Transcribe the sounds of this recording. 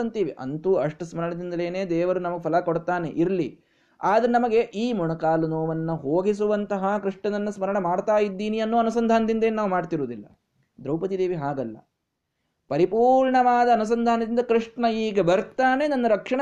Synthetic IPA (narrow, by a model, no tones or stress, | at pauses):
ɐnt̪iːʋiʔɐ̰nt̪uːɐʂʈɐsmɐɾɐɳɐd̪ind̪ɐleːneːd̪ɛːʋɐɾunɐmɐɡepʰɐlɐkoɽt̪aːnḛʔiɾɐli | aːd̪ɐɾenɐmɐɡe̞ʔiːmuɳɐkaːlunoːʋɐnːɐɦoːɡis̬uʋɐnt̪ɐɦɐkɾiʂɳɐd̪ɐnːɐsmɐɾɐɳɐmaːɖt̪aːjid̪ːiːniɐnːoːɐnusɐnd̪ʱaːnɐd̪ind̪ɐeːnːunaːʋumaːɖt̪iɾuːd̪ilːɐ̰ | d̪ɾɐwpɐt̪id̪eːʋiɦaːɡɐlːɐ̰ | pɐɾipuːɾɳɐʋaːd̪ɐːnus̬ɐnd̪ʱaːnɐd̪ind̪ɐkɾiʂɳɐiːɡɐbɐɾt̪aːne̞nɐnːɐɾɐkʂɐɳɐ